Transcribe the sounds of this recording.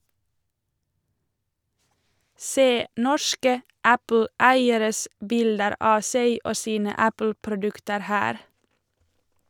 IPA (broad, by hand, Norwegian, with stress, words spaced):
ˈseː ˈnɔʃkə ˈʔæpl̩ˌæɪəɾəs ˈbɪldəɾ ˈʔɑː ˈseɪ ˈʔoː ˈsiːnə ˈæpl̩pɾʊˌdʉktəɾ ˈhæːɾ